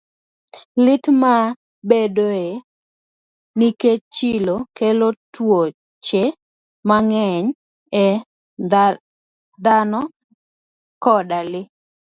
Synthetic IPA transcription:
lɪtma | bedoe | niket͡ʃɪlokelotwo | t͡ʃe | maŋɛɲ | ɛ | d̪anɔ | kɔdalɪ

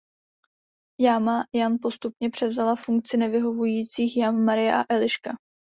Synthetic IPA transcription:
jaːmajanpo̞st̪upɲɛpr̝̥ɛvzalafuŋk̚t͡sɪnɛvɪɦo̞vujiːt͡siːxjanmaɾɪjɛʔa̰ʔɛlɪʃka

